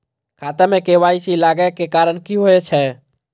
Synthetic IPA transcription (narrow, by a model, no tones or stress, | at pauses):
kʰat̪əmekeʋait͡ʃilaɡɛkekaɾənkiɦoɛt͡ʃʰɛ